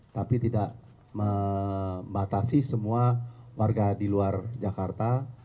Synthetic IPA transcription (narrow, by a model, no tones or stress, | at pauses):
t̪apit̪idaʔ | mə | bat̪asisəmuawarɡadiluard͡ʒakart̪a